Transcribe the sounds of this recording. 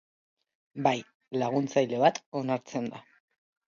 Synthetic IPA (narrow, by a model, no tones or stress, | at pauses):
baj | laɣ̞unt͡sajle̞βat̪o̞naɾt͡se̞nd̪a